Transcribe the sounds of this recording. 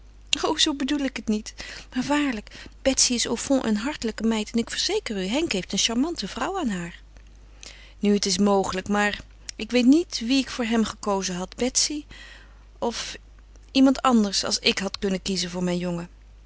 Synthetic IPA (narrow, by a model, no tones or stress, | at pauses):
owzowbədulɪkɦətnitmaːɹʋaːɹləkb̥ɛtsiɪsowfɔ̃ʔə̰nɦɑɹtələkəmɛjtɛnɪkfəɹz̥ejkəryɦɛŋkɦejftənʃaɹmɑntəvrʌwaːnɦaːɹ | nyətɪs̬mowχələkmaːɹ | ɪkʋejtnitʋiɪkfʊːɹɦɛmχəkowzəɦɑdbɛtsi | ɔf | imɑntɑndəɹsɑ̰lˠsɪkɦɑtkɵnəkizənvʊːɹmɛjnjɔŋə